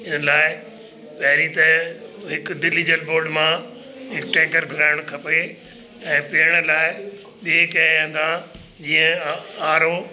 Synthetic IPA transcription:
ɪnəlaːɪ | pɐɦɪɾit̪ɐɦɪkd̪ɪliːd͡ʑəlboːɾɖmã | ɦɪkʈɛ̃ːŋɡəɾbʱʊɾaːɪɽ̃kʰɐpe | ɛ̃ːpiəɽ̃laːɪ | ɓeːkɐ̃ə̃nd̪ã | d͡ʑiːə̃aːɾo

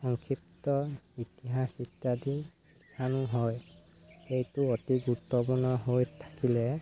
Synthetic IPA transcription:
xɔŋkʰip̚tɔitiɦasitːadi | itʰanuɦɔj | ejtuotiɡuɾutːɔpuɹnɔɦojtʰːḁkilɛ

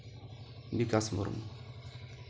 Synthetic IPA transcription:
bikasmṵɾ̰mu

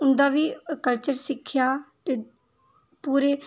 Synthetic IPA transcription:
ʊnd̪aːʋiːkəlt͡ʃəɾsɪkʰːjaːt̪eː | puːɾeː

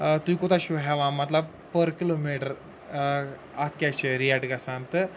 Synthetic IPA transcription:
t̪uikot̪aɕuɦɛʋãmat̪la | pəɾkilomeʈəɾ | at̪ʰkʲaɕeɾiaʈɡasãnt̪ə

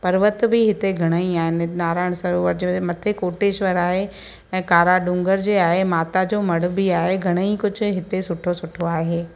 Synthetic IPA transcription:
pɐɾʋət̪bʱɪɦɪt̪eɡʱɐɽ̃əiaːɦɪnɪnaːɾaːɪɽ̃sɐɾoʋəɾd͡ʑemɐt̪ʰekoːʈeːʃʋəɾaːɦẽ | kaːɾaɖʊ̃ːŋɡəɾd͡ʑeːaːɦemaːt̪ad͡ʑoːmɐɽ̤ʊ̆bʱiaːɦeɡʱɐɽ̃əikʊd͡ʑʱʊ̆ɦɪt̪esʊʈʰosʊʈʰoaːɦeː

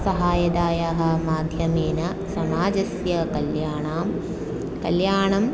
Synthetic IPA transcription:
sɐɦaːjɐd̪aːjaɦɐ̆maːd̪ʱjɐmeːnɐ | sɐmaːd͡ʒɐsjɐkɐljaːɳaːm | kɐljaːɳɐm

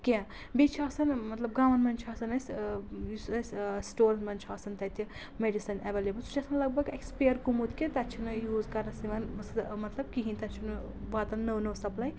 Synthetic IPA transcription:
kʲe | bit͡ʃʰaːsɐnmɐt̪lɐb̚ɡɐʋɐnmɐnt͡ʃʰasɐnɐsʲjusɐsʲsʈoːlmɐnt͡ʃʰaːsɐnt̪ɐt̪ʲʰi | meɖisɐneʋeleːbɐlt͡sʰut͡ʃɐsmɐlɐɡ̚bɐɡekspejɐɾkumut̪ʰkʲet̪ɐt͡ʃʰunɨjuːzkɐɾnɐsimɐnsmɐt̪lɐb̚kiɦinʲt̪ɐt͡ʃʰunɨ | bat̪ɐnːɐwnowsɐplɐj

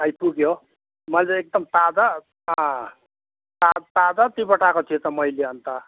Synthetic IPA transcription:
ajpuɡjo | mʌleek̚d̪ʌmt̪ad͡z̪a | ɦʌ̃ | t̪at̪ad͡z̪at̪ibʌʈakot͡s̪ʰit̪ʌmʌjleʌnt̪ʌ

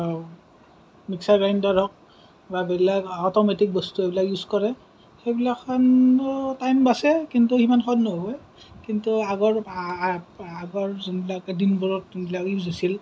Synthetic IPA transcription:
miksaɡajndaɹɔk̚ | babɛlakɔtɔmetik̚bɔstuebilakjuzkɔɹɛ | xejbilakʰːɔntajmbasɛkintuximanxɔdnɔɦbɔj | kintuaɡɔɹ | aɡɔɹzinbilakdinbɔɹɔtbilakjuzɔsil

